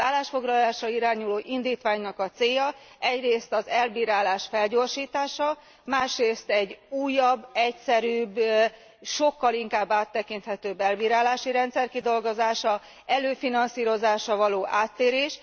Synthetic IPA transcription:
aːlːaːʃfo̞ɡlɒlaːʃrɒiɾaːɲuloːʔind̪iːt̪ʋaːɲnɒkɒt̪seːjɒ | ɛɟreːst̪ɒzɛlbiːɾaːlaːʃfɛlɟo̞ːrʃiːt̪aːʃɒ | maːʃreːst̪ɛɟuːjːɒbːɛcsɛɾyːb | ʃo̞kːɒliŋkaːbːaːt̪ːɛkint̪hɛt̪øːbːɛlbiːɾaːlaːʃiɾɛnt̪sɛrkid̪o̞lɡo̞zaːʃɒ | ɛløːfinɒnsiːɾo̞zaːʃɒvɒloːʔaːt̪ːeːɾeːʃ

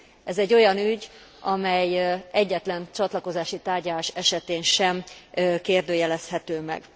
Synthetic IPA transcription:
ɛzɛɟːo̞jɒnyɟ | ɒmɛjɛɟːɛt̪lɛnt͡ʃɒt̪lɒko̞zaːʃit̪aːrɟɒlaːʃɛʃɛt̪eːnʃɛmkeːrd̪øːjɛlɛshɛt̪øːmɛ̰ɡ̥

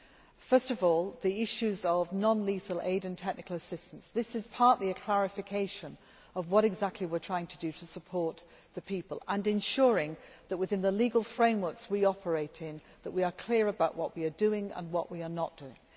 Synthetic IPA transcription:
fɜ˞stʌvɔlˠðiɪʃʉzəvnɑ̃nlisəlˠḛɪɾɨ̃ntʰɛk̚nɨkəl̩ˠəsɪstə̃n̩sðɪsɨz̥pʰɑɹʔliɨkʰl̥æɹɨfɨkʰeɪʃə̃n | ʌvwʌɾɨɡzæk̚tʰˡliwɪɹtʰɹ̥aɪɪ̃ŋtʰədɨɾəsəpʰɔɹt̪̚ | ðəpʰipəlˠə̃nɨ̃nʃʊɹɪ̃ŋ | ðəʔ̚wɨðɪ̃nðəliɡəl̩ˠfɹẽɪ̃mwɜ˞kswiɑpʰə˞eɪɾɪ̃n | ðəʔ̚wiə˞kʰl̥ɪəɹəbaʊʔwʌʔwiə˞dʉɪ̃ŋə̰̃nwʌʔwiə˞nət̚d̥ʉɪ̰̃ŋ

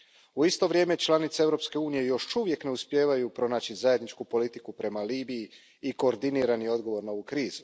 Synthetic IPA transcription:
uist̪o̞ʋɾʲje̞ːme̞t͡ʃlˠanit̪seevɾo̞pske̞uːnije̞jo̞ʃuʋje̞kne̞uspje̞ːʋajupɾo̞naːt͡ɕizaje̞d̪nit͡ʃkupo̞lit̪ikupɾe̞maliːbiji | iko̞ːɾd̪iniɾanio̞d̪ɡo̞ʋo̞ɾnaoʋukɾiːzu

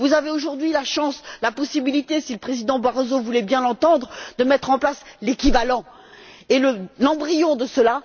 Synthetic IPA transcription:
vuzaveoʒuʁd̪ɥilaʃɑ̃slapɔsibilit̪esiləpχezid̪ɑ̃baʁozovulɛbjɛ̃lɑ̃t̪ɑ̃d̪ʁd̪əmɛt̪χɑ̃plaslekʲivalɑ̃ | eləlɑ̃bʁijɔ̃d̪əsəla

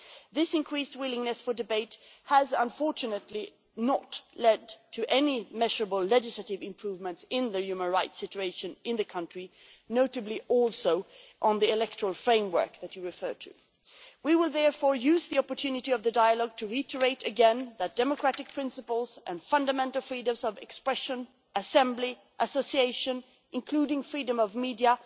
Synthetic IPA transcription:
ðɪsɨ̃nkʰɹ̥ist̚wɪlˠɪ̃ŋnɨsfə˞dɨbeɪthəzə̃ɱfɔɹt͡ʃɨnɨtˡli | nətlɛdtʰɨʔɛnimɛʒə˞əbəl̩ˠlɛd͡ʒɨsləɾɨvɨ̃mpʰɹ̥uvmə̃ntsɪ̃nðɨjʉmə̃nɹaɪtsɪt͡ʃʉeɪʃɨ̃nɪ̃nðɨkʰʌ̃nt͡ʃɹ̥i | noʊɾɨbliʔɔlˠsoʊʔə̃nðiɪlɛk̚tə˞əl̩ˠfɹẽɪ̃mwɜ̰˞k̚ðɨt͡ʃɨɹɨfɜ˞ɾʰɨ̰ | wiwɪlˠðɛɹfɔɹjʉzðiɑpə˞tʰʉnɨɾiʌvðɨdaɪəlɔɡ̚tʰɨɹitʰə˞eɪɾɨɡɛ̃nðɨt̚d̥ɛməkʰɹ̥æɾɨk̚pʰɹ̥ɪ̃nsɨpl̩ˠzʔɨ̃nfʌ̃ndəmɛ̃ntˡl̩ˠfɹidɨ̃mzʌvɛkspɹɛʃɨ̃n | əsɛ̃mbli | ʔəsoʊsieɪʃɨ̃n | ʔɨ̃nkʰl̥uɾɪ̃ŋfɹidə̃mʌvmidiə

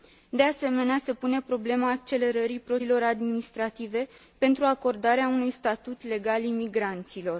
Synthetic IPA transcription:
d̪e̞ase̞me̞nease̞pune̞pɾo̞ble̞maːk̚t͡ʃe̞le̞ɾəɾipɾo̞lo̞ɾad̪minist̪ɾat̪ive̞ | pe̞nt̪ɾuako̞rd̪aɾeaunujst̪at̪ut̪le̞ɡalimiɡɾant̪silo̞r

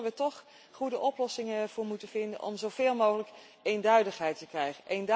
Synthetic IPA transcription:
əʋətɔχ | χudəʔɔplɔsɪŋəvʊːɹmutəv̥ɪndə̰nʔɔ̰mzowv̥ɪːlˠmowχələk | ejndœɥdəχɦɛjtəkrɛjχənʔejnd

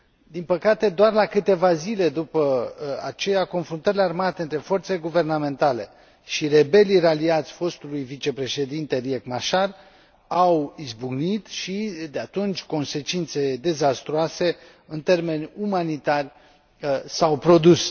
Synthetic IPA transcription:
d̪inpəkat̪e̞d̪oarlakɨt̪e̞vazile̞d̪upəat͡ʃe̞jakonfɾunt̪əɾilearmat̪eɨnt̪ɾe̞fo̞rt̪se̞leɡuve̞rname̞nt̪ale̞ | ʃire̞be̞liraliat̪sʲfo̞st̪ulujvit͡ʃe̞pɾe̞ʃe̞d̪int̪e̞ɾiekmaʃar | awizbuɡnit̪ʃid̪eat̪unt͡ʃʲko̞nse̞t͡ʃint̪se̞d̪e̞zast̪ɾoase̞ | ɨnt̪e̞rme̞nʲumanit̪arʲ | sawpɾo̞d̪us

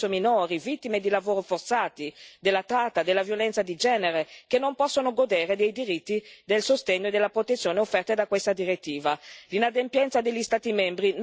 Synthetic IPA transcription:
ominoːɾivit̪ːimed̪ilavoːɾofort̪saːt̪id̪elːat̪ɾat̪ːad̪elːavjolɛnt̪sad̪id͡ʒɛːneɾekenːompɔsːonoɡod̪eːɾed̪ejd̪iɾit̪ːid̪elsost̪eɲːoed̪elːapɾot̪et̪sːjoːneofːɛrt̪ed̪akwest̪ad̪iɾet̪ːiːvalinad̪empjɛnt̪sad̪eʎːist̪aːt̪imɛmbɾin

